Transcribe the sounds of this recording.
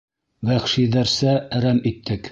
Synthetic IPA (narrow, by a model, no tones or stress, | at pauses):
βæχʃiðæɾsææɾæmit̪ːɘk